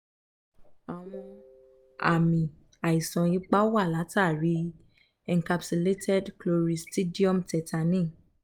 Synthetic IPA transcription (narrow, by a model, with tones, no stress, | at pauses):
a˨w̃ɔ̃˧ | a̰˨mĩ˨ | a˨i˨sã˨i˨˦k͡pa˦wa˦˨la˨˦ta˦˨ɾi˨˦ | ɛ˧ŋka˧bse˧le˦tʰɛ˦dklo˧ɾi˨sti˦di˦ɔ̃˦mtɛ˧ta˧nĩ˦˨